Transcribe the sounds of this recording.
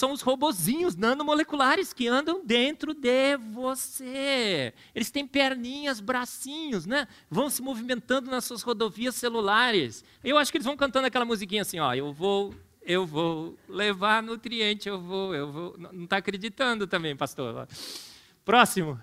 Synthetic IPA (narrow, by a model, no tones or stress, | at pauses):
sɐ̃w̃ʊshobozĩɲʊznɐ̃nʊmolekulaɾɪskɪɐ̃nd̪ɐ̃w̃d̪ẽnt̪ɾʊd̪ɪvose | elɪst̪ẽj̃paɾnĩɲɐzbɾasĩɲʊsnɛ | vɐ̃w̃sɪmovimẽnt̪ɐ̃nd̪ʊnɐssuɐshod̪oviɐsːelulaɾɪs | aiewaʃʊ̥kelɪzvɐ̃w̃kɐ̃t̪ɐ̃nd̪ɐakɛlɐmuzikĩɲɐasĩɔ̰ewvow | ewvowlevaɾnʊt̪ɾiẽnt͡ʃɪewvowewvownɐ̃nɐ̃w̃t̪aakɾed͡ʒit̪ɐ̃nd̪ʊt̪ɐ̃mbẽj̃past̪o̰ɾɔ̰ | pɾɔsimʊ